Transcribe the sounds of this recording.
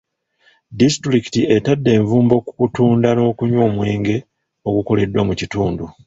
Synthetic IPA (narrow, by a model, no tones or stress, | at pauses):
distɾiki̥tie̞tadːe̞ːɱvuːmbo̞kukutuːndano̞ːkuɲwo̞ːmweːŋɡe̞ | o̞ɡuko̞le̞dwamucituːndu